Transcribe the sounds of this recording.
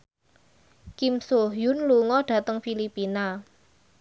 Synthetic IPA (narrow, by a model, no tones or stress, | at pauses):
kimsoɦjunluŋɔɖ̥ä̤t̪əŋfilipina